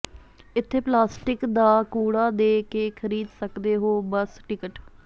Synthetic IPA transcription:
ɪt̪ʰːeːplaːsʈɪkd̪aːkuːɽaːd̪eːkeːkʰəɾiːd̪səkd̪eːɦoːbəsʈɪkəʈ

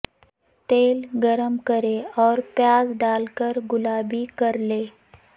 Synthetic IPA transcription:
t̪eːlɡəɾəmkəɾeɔːɾpjaːzɖalkəɾɡʊlabʱiːkəɾle

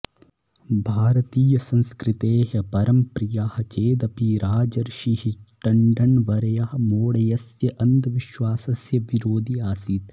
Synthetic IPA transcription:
bʱaːɾɐt̪iːjɐsɐ̃nskɾit̪eːɦɐpɐɾɐmpɾijaːhɐ̆t͡ʃeːd̪ɐpiɾaːd͡ʒɐɾʃiɦiʈɐɳɖɐɳʋɐɾɐjɐɦɐ̆moːɽɐjɐsjɐʔɐnd̪ɐʋiʃʋaːsɐsjɐʋiɾoːd̪ʱiaːsiːt̪

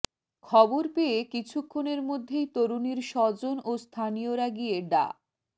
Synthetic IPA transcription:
kʰɔboɾpeekit͡ɕʰukʰːoneɾmod̪ʱːejt̪oɾuniɾʃɔd͡ʑonost̪ʰanijoɾaɡieɖa̰

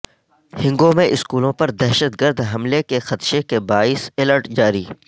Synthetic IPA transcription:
hɪ̃ŋɡõmẽʔɪskuːlõpɐɾd̪ɛɦʃəd̪ɡəɾd̪ɦɐmlekexɐt̪ʃekebaːɪsɪləɾʈd͡ʒaːɾiː

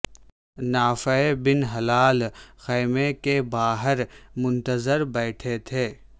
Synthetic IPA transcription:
naːfəebɪnɦɐlaːlxɛːmekebaːɦəɾmʊ̃nt̪əzəɾbɛːʈʰet̪ʰeː

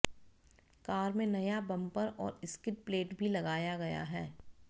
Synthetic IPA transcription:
kaːɾmẽnɐjabɐ̃mpəɾɔːɾɪskɪʈ̚pleːʈbʱilɐɡaːjaɡɐja̰ɦɛː

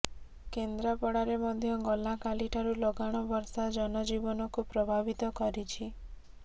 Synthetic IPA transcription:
kend̪ɾapɔɽaɾemɔd̪ʱjɔɡɔlakaliʈʰaɾulɔɡaɽ̃ɔbɔɾsad͡ʒɔnɔd͡ʒibɔnɔkupɾɔbʱabit̪ɔkɔɾit͡ʃʰi

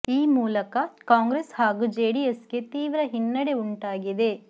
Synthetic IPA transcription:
iːmuːlɐkɐkaːŋɡɾeːshaːɡuːd͡ʒeːɽijesɡet̪iːʋɾɐɦinːɐɽe̞uɳʈaːɡid̪e̞

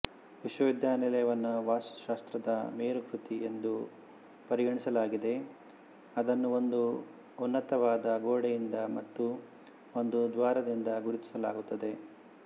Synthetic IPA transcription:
ʋiʃwɐʋid̪jaːnilɐjɐʋɐnːuʋaːsu̥ʃaːst̪ɾɐd̪ɐmeːɾukɾut̪ie̞nd̪u | pɐɾiɡɐɳisɐlaːɡid̪e̞ | ɐd̪ɐnːuo̞nd̪u | unːɐt̪ɐʋaːd̪ɐɡoːɽejind̪ɐmɐt̪ːu | ond̪ud̪ʋaːɾɐd̪ind̪ɐɡuɾit̪i̥sɐla̰ːɡut̪ːɐd̪e̞

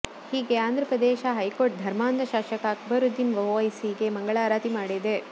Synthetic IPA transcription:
hiːɡeaːnd̪ʱɾɐpɾɐd̪eːʃɐɦɐjkoːʈ̚d̪ʱɐɾmaːnd̪ʱɐʃaːʃɐkɐɐkʰbɐɾud̪ːinʋɐoːɐjsiːɡemɐŋɡɐɭaːɾaːt̪imaːɽid̪e

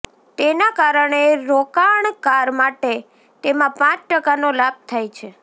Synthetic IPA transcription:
t̪enakaɾəɳeɾokaɳkaɾmaʈe | t̪emãpãt͡ʃʈəkanolab̚t̪ʰajt͡ʃʰe

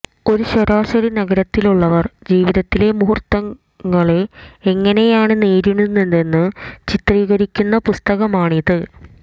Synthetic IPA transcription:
o̞ɾuɕɐɾaːɕɐɾinɐɡɐɾɐt̪ːiluɭːɐʋɐrd͡ʑiːʋiðɐt̪ːile̞muɦurt̪ːɐŋː | ɐɭe̞ŋːɐne̞jaːɳɨneːɾuɳunːenɖ̪e̞nːɨt͡ɕit̪riːɣɐɾikʲːunːɐpust̪ɐɣɐmaːɳiðɨ

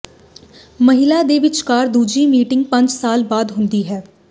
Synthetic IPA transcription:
məɦɪlaːd̪eːʋɪt͡ʃkaːɾd̪uːd͡ʒiːmiːʈɪ̃ŋɡ̚pə̃ɲd͡ʒsaːlbaːd̪ɦʊ̃nd̪iːɦɛː

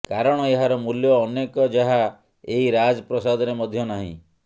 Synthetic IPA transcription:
kaɾɔɽ̃ɔeɦaɾɔmuljɔːnekɔd͡ʒaɦa | eiɾad͡ʒɔpɾɔsad̪ɔɾemɔd̪ʱjɔnaɦḭ̃

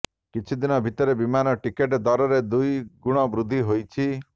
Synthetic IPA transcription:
kit͡ʃʰid̪inɔbʱit̪ɔɾebimanɔʈikeʈd̪ɔɾɔɾed̪ujɡuɽ̃ɔbɾud̪ʱːiɦojt͡ʃʰi

